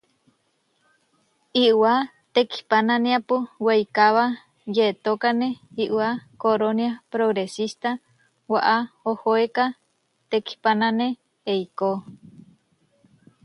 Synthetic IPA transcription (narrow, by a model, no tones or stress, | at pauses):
iwa | t̪eki̥panãneapuwejkaβa | jet̪okaneiʔwakoɾonjapɾoɣɾesist̪a | waʔaohoeka | t̪eki̥panãne | ejko